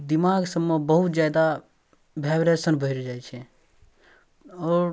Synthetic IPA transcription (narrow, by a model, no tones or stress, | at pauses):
d̪ɪmaːɡsəmːobəɦʊt̪d͡ʒjaːd̪a | bʱaːbɾesənbʱəiɾd͡ʒaːjt͡ʃʰe | ɔːɾ